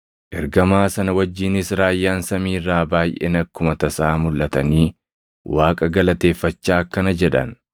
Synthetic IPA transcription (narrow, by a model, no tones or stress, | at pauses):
ʔɛɾɡɐmaːsɐnɐwɐd͡ʒːiːnɪsɾaːjːaːnsɐmiːrːaːbaːjʔḛnɐkːʊmɐt̪ɐsaːmʊlʔɐt̪ɐniː | waːkʼɐɡɐlɐt̪e̞ːfːɐt͡ʃːaːkːɐnɐd͡ʒɛᶑɐ̰n